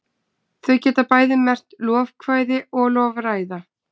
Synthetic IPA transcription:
θœɥcɛːt̪apaːjðɪmɛr̥t̪lɔːvkʰvaːjðɪɔɣlɔːvɾaːjða

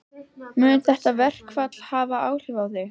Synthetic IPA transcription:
mʏːnʏθɛht̪avɛr̥kvat̪l̥haːvaaːwr̥ɪvawðɪ

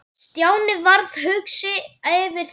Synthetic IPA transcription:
t̪jaːwnɪvaɾð̥ɦʏksɪavɪɾ̥

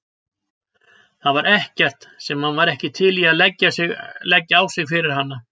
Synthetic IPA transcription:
θaðvaɾʔɛhcɛr̥t̪sɛmhanvaðɾɛhcɪt̪ʰɪliaðlɛcːasɪlɛcːaawsɪɣfɪɾɪɾ̥ɦanːa

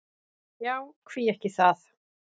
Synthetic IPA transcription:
jawkʰv̥iːɛhkɪθað

